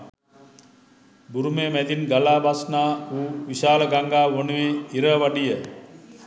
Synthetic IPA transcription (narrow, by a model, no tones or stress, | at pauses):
buɾumemɛd̪inɡalaːbasnaːuːʋiʃaːləɡaŋɡaːʋonuʋeiɾəʋaɖijə